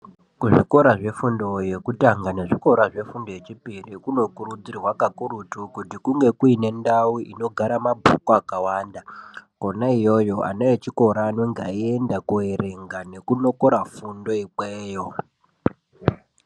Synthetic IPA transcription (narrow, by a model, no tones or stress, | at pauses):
kuʐiko̞ɾaʐe̞fundo̞je̞kutaŋɡane̞ʐiko̞ɾaʐe̞fundojet͡ʃipirikuno̞kuɾud͡zirwakakuɾutukutikuŋɡe̞kuine̞ndawuʔino̞ɡʱaɾamabʱṵkoakawaːndako̞naijo̞jo̞ʔa̰neet͡ʃiko̞ɾaːnoŋɡa̰ie̞ndakuere̞ŋɡane̞kuno̞ko̞ɾafundo̞ik͡peːjo̞